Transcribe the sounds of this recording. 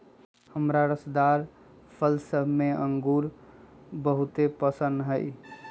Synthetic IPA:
həmɾaɾəsd̪aɾ | pʰəlsəbʱmeəŋɡuɾ | bəɦut̪epəsənd̪ɦəj

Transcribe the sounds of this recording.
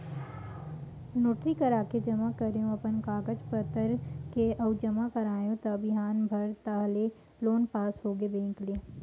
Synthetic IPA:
noːʈɾikəɾaːked͡ʒɐmakɐɾejõɐpənkaːɡəd͡ʒpət̪əɾkeʔɐʊd͡ʒəmakɐɾaːjõt̪ɐbɪɦaːnbʱɐɾt̪aːɦle | loːnpaːsɦoːɡebẽːŋklie

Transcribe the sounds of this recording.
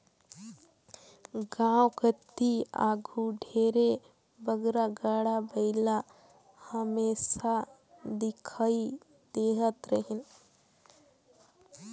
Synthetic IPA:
ɡãwkət̪ːia̰ːɡʱuɖʱeːɾe | bəɡɾaɡaːɽabəɪla | həmesa | d̪ɪkʰai | d̪eɦət̪ɾəɦin

